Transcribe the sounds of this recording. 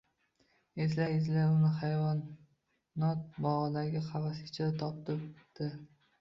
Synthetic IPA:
ezlajɪzlaʊnɪhajvɒnː | ɒt̪̚bɒʁd̪aɡʲɪqʰɑvasɪt͡ʃʰat̪ʰɒp̚t̪ɪpd̪̥ɪ

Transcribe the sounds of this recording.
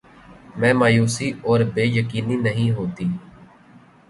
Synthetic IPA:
mɛ̃ːmaːjuːsiɔːɾbeːjəkiːninəɦĩɦoːt̪iː

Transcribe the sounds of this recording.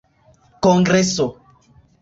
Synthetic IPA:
kɔ̃ŋɡɾɛso

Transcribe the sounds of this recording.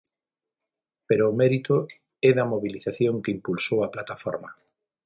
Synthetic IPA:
peɾoːmɛɾit̪ʊ | ɛðɐmoβiliθaθjoŋkɪimpulsowɐplat̪afɔ̰ɾmɐ

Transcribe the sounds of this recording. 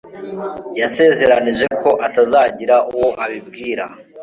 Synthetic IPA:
jase̞ze̞ɾaniʒe̞ko̞ʔatazaːɟiɾaʔuwo̞ʔaβib̚ɡiːɾa

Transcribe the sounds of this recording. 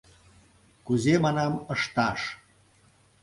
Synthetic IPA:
kuzemɑnɑməʃt̪ɑʃ

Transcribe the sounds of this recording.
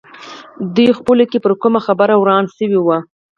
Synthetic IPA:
d̪ujxpulokepəɾkumaxabaɾawɾɑnsəwiwa

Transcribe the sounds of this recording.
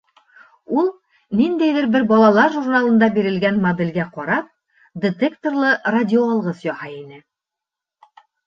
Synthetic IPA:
ulˠ | nind̪æjðɘɾbɘɾbɒlˠɑlˠɑɾʒurnalˠɤ̆nd̪ɑbiɾɘ̆lɡænmɐd̪ɘ̆lɡæqɒɾɑp̚ | d̪ʲɪt̪ekt̪orlˠɤradʲɪoɑlˠʁɤsjɒhɑinɘ

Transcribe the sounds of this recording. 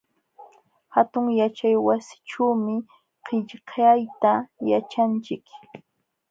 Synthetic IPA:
hat̪ʊŋjat͡ʃajwasɪ̥ʈ͡ʂawmɪ | qʰɪʎqʰajt̪ajat͡ʃant͡ʃɪk

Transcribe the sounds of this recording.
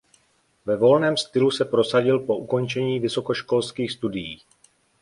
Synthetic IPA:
vɛvo̞lnɛːmst̪ɪlusɛpɾo̞saɟɪlpo̞ʔuko̞nt͡ʃɛɲiːvɪso̞ko̞ʃko̞lskiːxst̪udɪjiː

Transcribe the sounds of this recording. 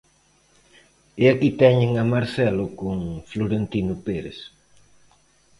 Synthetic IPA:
ɪakit̪ɛɲeŋamaɾθɛlʊkʊŋfloɾent̪inʊpeɾḛs

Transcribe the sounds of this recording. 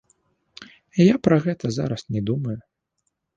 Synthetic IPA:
ijapɾɐɣɛt̪ɐza̰ɾɐsnʲɛd̪umɐju

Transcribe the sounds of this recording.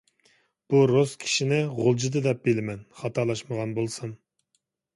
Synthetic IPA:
b̥uɾoskʲʰi̥ʃinɪʁolˠd͡ʒid̪ɨd̪ɛp̚belɪmɛnχɑt̪ʰɑlˠɑʃməʁɑnbolˠsɨn

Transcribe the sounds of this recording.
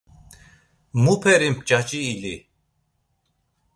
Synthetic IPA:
mupʰɛɾimpʰt͡ʃʼat͡ʃʼiːli

